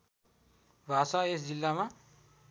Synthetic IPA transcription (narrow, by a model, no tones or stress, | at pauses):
bʱasaesd͡zilːama